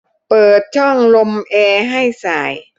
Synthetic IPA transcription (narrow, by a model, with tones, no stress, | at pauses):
pɤː˨˩t̪̚t͡ɕʰɔ˥˩ŋlo˧mʔɛː˧ɦa˥˩jsaː˨˩j